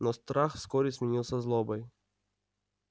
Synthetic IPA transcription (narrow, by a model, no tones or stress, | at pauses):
nɔst̪ɾaxfskɔɾʲɪsʲmʲɪnʲilˠsʲɐzlˠɔbɐj